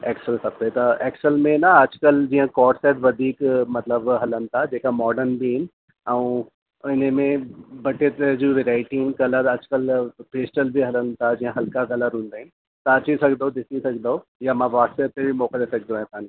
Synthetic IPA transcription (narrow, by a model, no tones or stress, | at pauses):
ɛːksəlsɐbɽet̪ɐɛːksəlmẽnɐɐd͡ʒkəld͡ʑiːɦə̃kɔːʈseːʈʋɐd̪ʱiːkmɐt̪ləbɦɐlənɪ̆t̪ʰad͡ʒeːkamɔːɖəɾnbʱiɦɪnɪ | ɐũ | ɪnemẽbɐʈet̪ed͡ʑiːʋeɾaːɪʈinkɐləɾɐd͡ʒkəlpeːsʈəlbʱiɦɐlənt̪ʰad͡ʑiːə̃ɦɐlkaɣɐləɾɦũːnd̪aːɦɪnɪ | t̪ɐɐt͡ʃisɐkʰd̪od̪ɪsisɐkʰd̪oojamãʋaːset̪ebʱimɔːkad̪esɐk̚ʰd̪õɦãt̪aːnĩ